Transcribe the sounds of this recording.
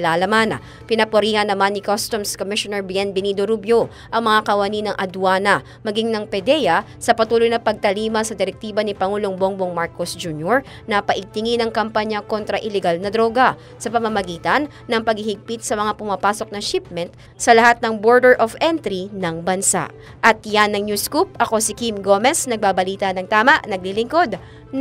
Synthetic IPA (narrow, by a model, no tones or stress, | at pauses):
lalɐmanɐ̰ | pɪnɐpoɾiːhɐnːɐmanːɪkost̪omskomɪʃonɛɹbiɛnbɛnid̪oɾubjo | ʔɐŋmɐŋakɐwɐninɐŋʔɐd̪waːnɐ | mɐɡiŋnɐŋpɛd̪ɛjɐ | sɐpɐt̪uːlojnɐpɐɡ̚t̪ɐliːmɐsɐd̪ɪɾɛk̚t̪iːbɐnipɐŋuːloŋboŋboŋmaɹkosd͡ʒuːnjoɹ | nɐpɐʔɪɡ̚t̪ɪŋinɐŋkɐmpaɲɐko̞nt̪ɾɐʔɪlɛɡalnɐd̪ɾo̞ːɡɐ | sɐpɐmɐmɐɡiːt̪ɐnːɐŋpɐɡ̚hɪhɪɡ̚pɪt̪̚sɐmɐŋapʊmapaːso̞k̚nɐʃɪp̚mɛnt̪̚ | sɐlɐhat̪̚nɐŋboɹd̪ɛɹʔovɛnt̪ɾinɐŋbɐnsa̰ʔ | ʔɐt̪janːɐŋnjuskup̚ʔɐko̞sɪkimɡomɛsnɐɡ̚babɐliːt̪ɐnɐŋt̪aːmɐʔnɐɡ̚lilɪŋko̞d̪̚